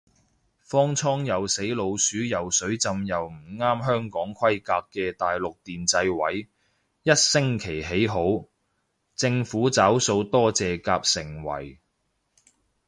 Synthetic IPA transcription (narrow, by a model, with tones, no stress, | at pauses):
fɔː˥ŋt͡sʰɔː˥ŋjɐ˨wse˨˥jlo˨˧wsyː˨˥jɐ˨wsɵ˨˥ɥt͡sɐ˧mjɐ˨wm̩˨˩ŋaː˥mɦœː˥ŋkɔː˨˥ŋkʰɐ˥jkaː˧kːɛː˧t̪aː˨jlʊ˨k̚t̪iː˨nt͡sɐ˧jwɐ˨˥j | jɐ˥t̚sɪ˥ŋkʰe˨˩jɦe˨˥jɦo˨˥w | t͡sɪ˧ŋfuː˨˥t͡saː˨˥wso˧wt̪ɔː˥t͡sɛː˨kaː˧p̚sɪ˨˩ŋwɐ̰˨˩j